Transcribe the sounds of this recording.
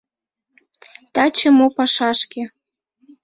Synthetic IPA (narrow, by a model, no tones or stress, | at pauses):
t̪ɑt͡ɕə̆mopɑʃɑʃke